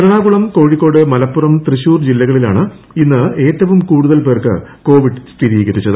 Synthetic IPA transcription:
ɐɾɐɳaːɡuɭɐmko̞ːɻikːo̞ːɽɨmɐlɐpːurɐmt̪riɕuːrd͡ʑilːɐɣɐɭila̰ːɳɨ | inːɨe̞ːtːɐʋumkuːɽuðɐlpe̞ːrkɨ̰ko̞ːʋiɖst̪ʰiɾiːɣɐɾit͡ɕːɐðɨ

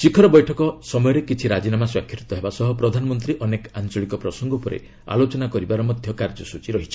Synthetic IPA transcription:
t͡ʃikʰɔɾɔbɔjʈʰɔkɔsɔmɔjɔɾekit͡ʃʰiɾad͡ʒinamaswakʰːɾit̪ɔɦebasɔɦɔpɾɔd̪ʱanɔmɔnt̪ɾiʔɔnekant͡ʃɔɭikɔpɾɔsɔŋɡɔupɔɾḛ | a̰lot͡ʃɔnakɔɾibaɾɔmɔd̪ʱjɔkaɾd͡ʒɔsut͡ʃiɾɔɦit͡ʃʰi̥

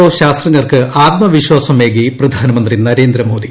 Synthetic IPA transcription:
oːɕaːst̪rɐɲːɐrkɨaːɡ̚mɐʋiɕwaːsɐmeːɡiprɐd̪ʱaːnɐmɐnd̪rinɐɾe̞ːnd̪ɾɐmo̞ːd̪i

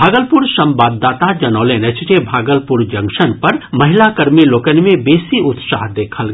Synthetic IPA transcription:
bʱaːɡəlpuɾsɐ̃mbaːd̪ːaːt̪ad͡ʒɐnɔːlenet͡ʃʰt͡ʃebʱaːɡəlpuɾd͡ʒɐ̃ŋʃənpɐɾmɐɦɪlakɐɾmiloːkənmẽbeːsiʊt̪sa̰ːɦd̪eːkʰəl

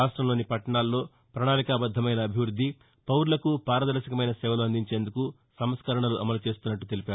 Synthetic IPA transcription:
aːʂʈɾɐmlo̞ːnipɐʈːɐɳaːlːo̞ː | pɾɐɳaːlikaːbɐd̪ʱːɐmɐjnɐːbʱiʋɾud̪ʱːi | pɐwɾulɐkupaːɾɐd̪ɐɾʃɐkɐmɐjnɐsɛːʋɐluːɐnd̪iɲt͡ʃe̞ːnd̪uku | sɐmskɐɾɐɳɐluʔɐmɐlut͡ʃe̞ːst̪unːɐʈːut̪e̞lipaː

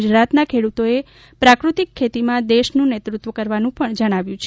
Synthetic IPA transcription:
ud͡ʒɾat̪nakʰeɽut̪oe | pɾakɾut̪ikʰːet̪imãd̪eʃnũnet̪ɾut̪ʋəkəɾʋanũpəɳd͡ʒəɽ̃aʋjũt͡ʃʰ

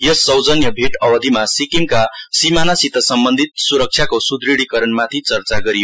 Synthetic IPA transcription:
jʌsːʌwd͡zʌnjʌbʱeʈʌwʌd̪ʱimasikimkasimanasit̪ʌsʌmbʌnd̪ʱit̪̚suɾʌk̚t͡ʃʰjakosud̪ɾiɽikʌɾʌnmat̪ʰit͡sʌrt͡saɡʌɾijo

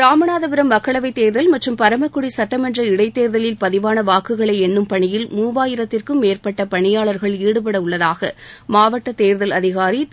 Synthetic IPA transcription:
ɾaːmɐnaːðɐpɪɾɐmːɐkːɐɭɐʋɐɪt̪ːeːɾðɐlmɐʈrɯmpɐɾɐmɐkːɯɽisɐʈːɐmɐndrɐɪɽɐɪt̪ːeːɾðɐlɪlpɐðɪʋaːnɐʋaːkɯɣɐɭɐɪɛnːɯmpɐɳɪjɪlmuːʋaːjɪɾɐt̪ːɪrkɯmːeːrpɐʈːɐpɐɳɪjaːɭɐɾɣɐɭiːɽɯp̬ɐɽɐʊɭːɐðaːɣɐ̰maːʋɐʈːɐt̪eːɾðɐlɐðɪɣaːɾi

